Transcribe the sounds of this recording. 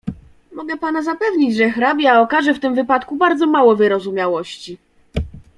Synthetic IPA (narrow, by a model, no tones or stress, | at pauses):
mɔɡɛpanazapɛvɲid͡ʑʐɛxɾabʲjaɔkaʐɛft̪ɘmvɘpat̪kubaɾd̪zɔmawɔvɘɾɔzumʲjawɔɕt͡ɕi